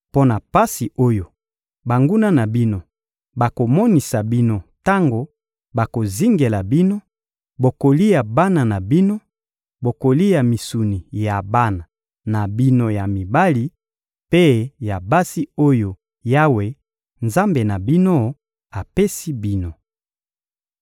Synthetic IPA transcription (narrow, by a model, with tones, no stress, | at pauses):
po˦na˨pa˦si˨o˦jo˨ | ba˨ŋɡu˦na˦na˨bi˦no˨ | ba˨ko˨mɔ˦ni˨sa˨bi˦no˦ta˦ŋɡo˨ | ba˨ko˨zi˦ŋɡe˨la˨bi˦no˦ | bo˨ko˨li˦ja˨ba˦na˨na˨bi˦no˦ | bo˨ko˨li˦ja˨mi˨su˨ni˨ja˨ba˦na˨ | na˨bi˦no˦ja˨mi˨ba˦li˦ | pe˦ja˨ba˦si˦o˦jo˨ | ja˦we˨ | nza˦mbe˨na˨bi˦no˦ | a˨pe˦si˦bi˦no˨